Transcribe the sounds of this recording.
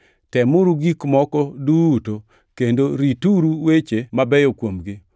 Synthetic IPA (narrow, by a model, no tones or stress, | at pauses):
tɛmʊɾuɡikmɔkɔduto | kendoɾituɾuwet͡ʃemabɛjokwomɡɪ